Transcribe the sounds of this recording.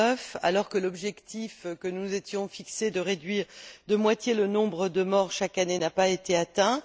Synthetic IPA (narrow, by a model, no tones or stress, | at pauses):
əfa̰lɔʁkəlɔbʒɛkt̪ifkənuzet̪jɔ̃fiksed̪əʁed̪ɥiʁd̪əmwat̪jelənɔ̃bʁəd̪əmɔʁʃakanenapaet̪eat̪ɛ̃